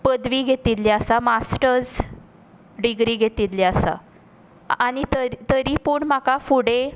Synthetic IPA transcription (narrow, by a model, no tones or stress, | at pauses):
pəd̪ʋiːɡʱet̪it̪leəsamasʈəɾd͡z | ɖiɡɾiːɡʱet̪it̪leasa̰ | aɽ̃it̪ət̪əɾipuːɳmakafuɽe